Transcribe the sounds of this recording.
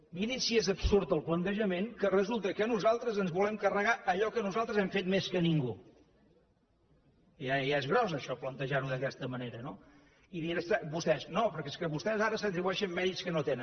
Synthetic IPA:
miɾisiezəbsuɾt̪əlˠplənt̪əʒəmeŋkərəzulˠt̪əkənuzalˠt̪ɾəzənzβulɛmkərəɣaʔəʎɔkənuzalˠt̪ɾəzɛmfet̪̚meskəniŋɡu | jajaezɣɾɔzəʃɔplənt̪əʒaɾuðəkɛst̪əməneɾəno | iðinəst̪abust̪ɛznopəɾkeskəβust̪ɛzaɾəsət̪ɾiβuɛʃəmːɛðitskənot̪enən

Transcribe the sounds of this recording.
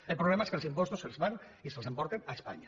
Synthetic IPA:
elpɾoβlemaeskelsimpɔst̪oselzβan | iselˠsempɔɾt̪enaespa̰ɲa

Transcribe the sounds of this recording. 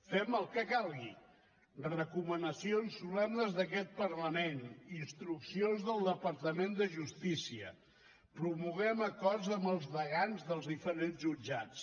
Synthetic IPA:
fɛməlˠkəkalˠɣi | rrəkumənəsionsːulɛmnəzðək̬ɛt̪̚pəɾləmeninst̪ɾuksionzðəlˠd̪əpəɾt̪əmend̪əʒust̪isiə | pɾumuɣɛməkɔrzəmbəlˠzðəɣanzðəlˠzðifəɾenzʒud͡ʒat͡s

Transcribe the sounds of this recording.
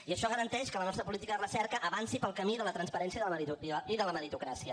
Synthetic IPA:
iəʃɔɣəɾənt̪ɛʃkələnɔst̪ɾəpulit̪ikəðərəsɛɾkəʔəβansipəlˠkəmiðələt̪ɾənspəɾɛnsiəðəəɾiiðələməɾit̪ukɾasiə

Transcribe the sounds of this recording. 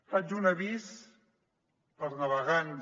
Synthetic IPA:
fad͡ʒunəβis | pəɾnəβəɣan

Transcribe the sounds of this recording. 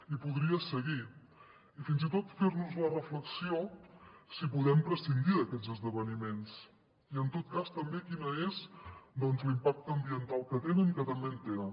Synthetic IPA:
ipuðɾiəsəɣi | ifinzit̪ot̪feɾnuzlərəfləksiosipuðɛmpɾəsind̪iðəkɛd͡zəzðəβənimens | iənt̪ot̪̚kast̪əmbekinəezd̪ɔnzlimpak̚t̪əːmbiənt̪alˠkət̪enəŋkət̪əmbent̪enə

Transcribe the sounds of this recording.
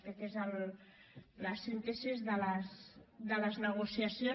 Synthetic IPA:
t̪ekezəl | ləsent̪esizðələsðələznəɣ̞usiəsjo

